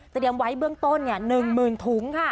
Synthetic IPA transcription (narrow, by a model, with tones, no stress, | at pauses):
t̪ːdi˨˩əmwa˨˦˥jbɯ˧əŋt̪o˧nːi˧˥˩ənɯ˨˩ŋmɯː˨˩nt̪ʰu˩˦ŋkʰa˥˩